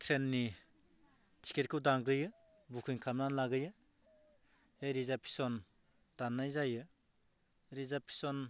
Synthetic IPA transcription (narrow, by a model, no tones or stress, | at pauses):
tʰɾenːi | tʰi̥kʰeɾkʰɯwdaŋɡɾɯjɯ | bukʰɯjŋkʰamnanlaɡɯjɯ | hejɾizapʰi̥sɔn | d̥anːajzajɯ | ɾizapʰi̥sɔn